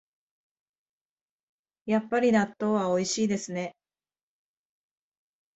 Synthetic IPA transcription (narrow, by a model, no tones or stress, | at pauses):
japːaɾʲinat̪ːo̞ːβao̞iɕiːd̪e̞sɨne̞